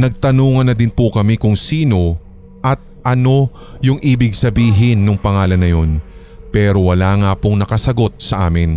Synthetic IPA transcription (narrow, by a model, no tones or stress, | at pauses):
nɐɡ̚t̪ɐnuːŋɐnːɐd̪ɪnpʊkɐmɛkʊŋsiːno̞ | ʔɐt̪̚ʔɐno̞ | jʊŋʔiːbɪɡ̚sɐbiːɦɪnːʊŋpɐŋaːlɐnːɐjo̞n | pɛːɾo̞wɐlaːŋapʊŋnɐkɐsɐɡo̞t̪̚sɐʔaːmɪn